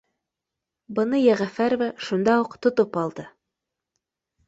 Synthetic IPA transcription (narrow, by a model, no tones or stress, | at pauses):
bɤ̆nɤjæʁæfæɾvæʃund̪ɑuqt̪ŏt̪opɑlˠd̪ɤ